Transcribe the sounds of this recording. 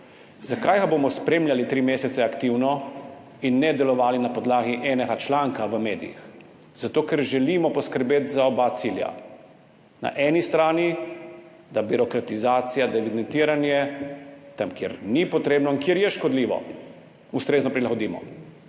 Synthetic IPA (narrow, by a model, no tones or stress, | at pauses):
zakaːjkabomɔspɾeːmljalit̪ɾiːmeːsɛt̪sɛakt̪iwnɔ | inːɛd̪ɛlɔʋaːlinapɔd̪laːɡiʔɛːnɛɡat͡ʃlaːŋkaʋəmeːd̪ḭjḭx | z̥at̪oːkɛɾʒɛliːmɔpɔskəɾbeːt̪zaɔbat̪siːlja̰ | na̰ʔɛnist̪ɾaːni | d̪abiɾɔkɾat̪izaːt̪sijad̪ɛʋid̪ɛnt̪iːɾanjɛ | t̪amkjɛ̰ɾnipɔt̪ɾeːbnɔiŋkjeɾjɛʃkɔd̪liːʋɔ̰ | ust̪ɾeːznɔpɾilaɣɔd̪iːmɔ̰